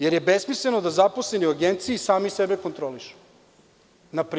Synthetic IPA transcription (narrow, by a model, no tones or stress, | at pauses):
je̞ɾje̞besmisle̞no̞d̪azaposleniuaɡent̪siisaːmisebeko̞nt̪ɾoliʃu̥ | napɾ